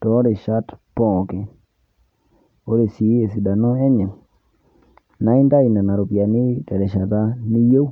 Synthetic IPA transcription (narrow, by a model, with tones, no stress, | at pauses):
tɔː˨˦ɾɪ˨ʃa˦tpɔ˦˨kɪ˨ | o˦ɾe˨si˨˦e˨si˨da˨nɔ˦ɛ˦ɲɛ˨ | na˨˦ɪ˦nda˦i˨na˨na˨ɾo˨pja˨nɪ˦tɛ˨lɛ˨ʃa˨d̪a˦ni˦je˦